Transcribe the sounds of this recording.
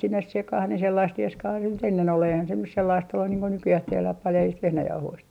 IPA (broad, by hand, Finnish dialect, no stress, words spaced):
sinːes sekɑh ni selːɑist rieskɑː nyt enːen ol eihæn se nys selːɑist olːun niːŋ ko nykyjæh tehlæh pɑljɑist ʋehnæjɑuhoist